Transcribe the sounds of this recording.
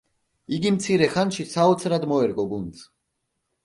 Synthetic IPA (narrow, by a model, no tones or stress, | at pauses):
iɡimt̪sʰiɾɛχanʃisaɔt̪sʰɾad̪mɔɛɾkʼɔɡuns